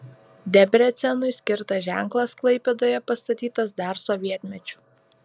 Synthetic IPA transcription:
d̪ʲɛbʲɾʲɛt̪sʲɛnʊɪsʲkʲɪɾt̪ɐʒʲæŋˑklˠɐsklˠɐɪpʲed̪oːjɛpɐst̪ɐt̪ʲiːt̪ɐsd̪ɑɾsoʋʲiɛt̪ʲmʲɛt͡ʃʲʊ̥

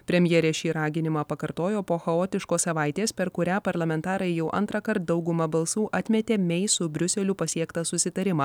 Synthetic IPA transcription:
pʲɾʲɛmʲjɛːɾʲeːʃʲiːɾɑːɡʲɪnʲɪmɑːpɐkɐɾt̪oːjoːpoːxɐoːt̪ʲɪʃkoːssɐʋɑˑɪt̪ʲeːspʲɛɾkʊɾʲæːpɐɾlˠɐmʲɛnt̪ɑːɾɐɪjɛʊʔɐ̰nt̪ɾɐkɐɾt̪̚d̪ɒʊɡʊmɐbɐlˠsuːʔɐt̪ʲmʲɛt̪ʲeːmʲɛɪsʊbʲɾʲʊsʲɛlʲʊpɐsʲiɛkt̪ɐsʊsʲɪt̪ɐɾʲɪmɑː

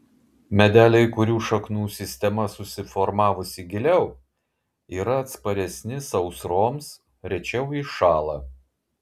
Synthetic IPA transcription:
mʲɛd̪ʲæːlʲɛɪkʊɾʲuːʃɐknuːsʲɪsʲt̪ʲɛmɐsʊsʲɪfɔɾmɑːʋʊsʲɪɡʲɪlʲɛʊ | iːɾɐːt̪spɐɾʲɛsʲnʲɪsɐʊsɾoːms | ɾʲɛt͡ʃʲɛʊɪʃɑːlˠɑ

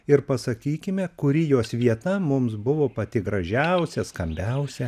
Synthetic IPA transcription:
ɪɾpɐsɐkʲiːkʲɪmʲɛkʊɾʲɪjoːsʋʲiɛt̪ɐmʊmsbʊʋoːpɐt̪ʲɪɡɾɐʒʲɛʊsʲɛskɐmʲbʲɛʊsʲɛ

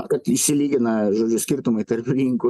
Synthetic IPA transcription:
kɐt̪iʃʲsʲɪlʲiːɡʲɪnɐʒoːd͡ʒʲʊsʲkʲɪɾt̪ʊmɐɪt̪ɐɾʲpʲɪɾʲiːŋkʊ

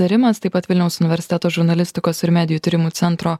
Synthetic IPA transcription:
ɐɾʲɪmɐst̪ɐɪpɐt̪ʋʲɪlʲnʲɛʊsʊnʲɪʋʲɛɾʲsʲɪt̪ʲɛːt̪oːʒʊɾnɐlʲɪsʲt̪ʲɪkoːsɪɾmʲæːd̪ʲɪjuːt̪ʲɪɾʲɪmuːt̪sʲɛnt̪ɾoː

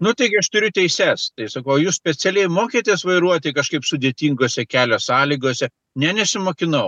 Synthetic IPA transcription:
nʊt̪ɐɪɡʲɪɐʃt̪ʊɾʲʊt̪ʲɛɪsʲɛst̪ɐɪsɐkɐʊjuːssʲpʲɛt͡sʲɛlʲɛɪmoːkʲeːt̪ʲiɛsʋɐɪɾuɔt̪ʲɪkɐʃkɐɪpsʊd̪ʲeːt̪ʲiːŋɡoːsʲɛkʲæːlʲoːsɑːlʲiɡoːsʲɛ | nʲɛnʲɛsʲɪmoːkʲɪnɐʊ

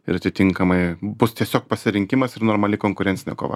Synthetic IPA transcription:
ɪɾɐt̪ʲɪt̪ʲɪŋkɐmɐɪbʊst̪ʲiɛsʲoːk̚pɐsʲɪɾʲɪŋʲkʲɪmɐsɪɾnoːɾmɐlʲɪkoːŋkʊɾʲɛnʲsʲɪnʲɛ̰ko̰ːʋɐ̰

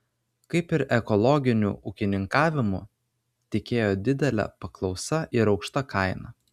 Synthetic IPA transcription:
kɐɪpɪɾɛkɔlˠɔɡʲɪnʲṵːʔʊkʲɪnʲɪŋkɑːʋʲɪmʊ̰ | t̪ʲɪkʲeːjoːd̪ʲɪd̪ʲɛlʲɛ̰pɐklˠɒʊsɐʔɪɾɒʊkʃt̪ɐkʰɐɪnɐ

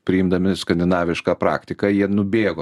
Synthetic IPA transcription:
pʲɾʲɪɪmd̪ɐmʲɪskɐnʲd̪ʲɪnɑːʋʲɪʃkɑːpɾɑ̰ːkt̪ʲɪkɑjiɛnʊbʲeːɡoː

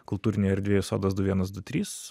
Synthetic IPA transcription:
kʊlˠt̪uːɾʲɪnʲeɛɐɾʲd̪ʲʋʲeːjʊso̰ːd̪ɐd̪ʊʋʲiɛnɐsd̪ʊt̪ʲɾʲiːs

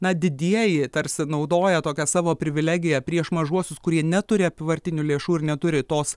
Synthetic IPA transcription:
nɐd̪ʲɪd̪ʲiɛjɪt̪ɐɾʲsʲɪnɒʊd̪oːjɛt̪oːkʲɛsɑːʋoːpʲɾʲɪʋʲɪlʲæːɡʲɪjɛpʲɾʲiɛʃmɐʒuɔsʲʊskʊɾʲiɛnʲɛt̪ʊɾʲɪɐpʲɪʋɐɾʲt̪ʲɪnʲʊːlʲeːʃuːɪɾnʲɛt̪ʊɾʲɪt̪oːs

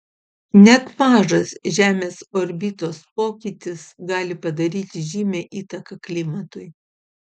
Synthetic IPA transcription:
nʲɛt̪mɑːʒɐsʒʲæːmʲeːsoːɾʲbʲit̪oːspoːkʲit̪ʲɪsɡɑːlʲɪpɐd̪ɐɾʲiːt̪ʲɪʒʲiːmʲeːʔiːt̪ɐkɐklʲɪmɐt̪ʊɪj

